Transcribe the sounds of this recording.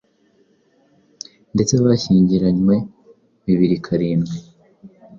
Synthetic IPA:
nde̞t͡se̞βaçiːɲɟiɾaɲwe̞ | βiβiɾikʰaɾiːnɡe

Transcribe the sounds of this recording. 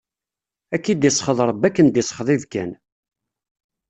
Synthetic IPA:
ækːid̪isˤχəðˤɾˤəbːækːənd̪isˤχəðˤiðkæ̰n

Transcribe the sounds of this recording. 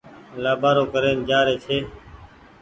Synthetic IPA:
laːbʱaːɾoːkəɾeːnd͡ʒaːɾeːt͡ʃʰeː

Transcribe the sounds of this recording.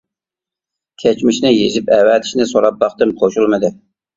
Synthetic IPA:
kʲʰɛt͡ʃmɪʃnɪjeʒɪpɛwɛt̪ʰɪ̥ʃnɪsoɾɑp̚bɑχt̪ɨmqʰoʃulˠmɨd̪ɪ

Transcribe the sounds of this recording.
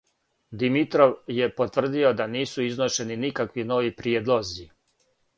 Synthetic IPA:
d̪imit̪ɾo̞ʋje̞po̞t̪ʋr̩d̪io̞d̪aniːsuiznoʃe̞ninikakʋino̞ʋipɾjeːd̪lˠo̞zi

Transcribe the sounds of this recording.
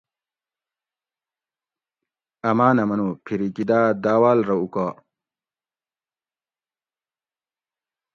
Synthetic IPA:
ɐmaːnɐmɐnupʰiɾikid̪aːd̪aːwaːlɾɐuka

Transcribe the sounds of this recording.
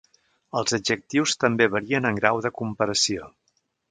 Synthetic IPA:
əlˠzəd͡ʒək̚t̪iwst̪əmbeβəɾiənəŋɡɾawðəkumpəɾəsio

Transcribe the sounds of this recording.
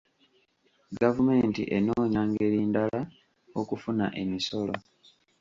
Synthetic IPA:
ɡavume̞ːntḭʔe̞noːɲaːŋɡe̞ɾiːndala | okufuna̰ʔe̞miso̞lo̞

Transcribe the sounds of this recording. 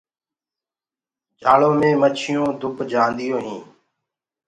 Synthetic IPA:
d͡ʒʱaːɭõːmẽːmət͡ʃʰɪjõːd̪ʱʊpd͡ʒãːnd̪ɪjõːɦĩː

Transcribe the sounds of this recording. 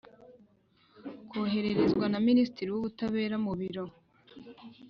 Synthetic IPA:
koːɦe̞ɾe̞ɾezɡwanaminisi̥tiɾiwuβutaβe̞ːɾamuβiɾo̞

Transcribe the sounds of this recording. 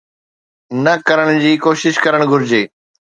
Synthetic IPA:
nɐkɐɾəɽ̃d͡ʑiːkoːʃɪʃkɐɾəɽ̃ɡʱʊɾɪd͡ʑeː

